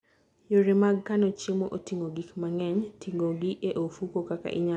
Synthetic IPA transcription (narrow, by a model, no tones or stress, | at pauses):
joɾemaɡkanot͡ʃemoʔotiŋɡoɡikmaŋɛɲtʰiŋɡoɡieʔofukokaka̰ʔɪ̰ɲa